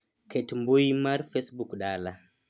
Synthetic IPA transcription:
kɛtmbojimaɾfesbukɗaːla

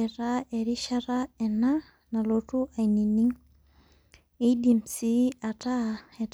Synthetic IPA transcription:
eɾaeɾiʃaɾaɛna | nalotuʔainini | edimsiataet

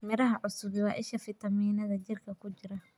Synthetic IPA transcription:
mɛɾɐɦɐʕʊsʊβɪwɑːʔɪʃɐfɪt̪ɐmiːnɐðɐd͡ʒɪrkʰɐkʰʊd͡ʒɪɾɐ

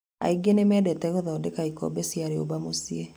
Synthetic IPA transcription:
a̰iɡenemɛdɛtɛɣoðɔdekaikɔ̰besjaɾeo̰bamosie

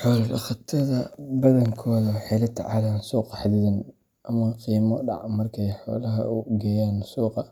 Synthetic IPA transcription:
ħɔːlɐɐ̰χɐt̪ʰɐðɐbɐðɐŋkʰɔːðɐwħɛlɐt̪ʰʕɑlansuːqɑħad̪iðɐn | ʔɐmɐqiːmɔɖɑ̰ʕmɐrkʰɛjħɔ̰ːlɐɦɐ̰uɡɛjaːnsuːqɑ

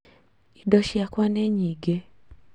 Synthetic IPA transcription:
idɔʃiakwaneɲiɡe

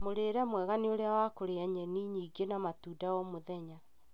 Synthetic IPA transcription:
moɾeːɾɛmwɛɣanioɾeawakoɾeaɲɛniɲiːɡenamatuːdawɔmoðɛɲa

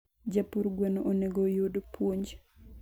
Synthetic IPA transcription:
d͡ʒapuɾɡwenoʔoneɡojodpwoɲd͡ʒ

